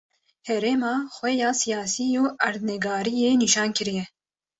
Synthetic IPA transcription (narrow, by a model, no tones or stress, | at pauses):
hɛɾeːmɑːxwɛjɑːsijɑːsijuːæɾd̪nɛɡɑːɾijeːniʃɑːnkɨɾijɛ